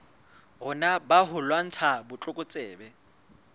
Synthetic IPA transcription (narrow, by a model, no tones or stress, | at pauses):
ɣʊnabaɦʊlwan̩t͡sʰabʊt͡ɬʼʊkʼʊt͡sʼɛːbɛ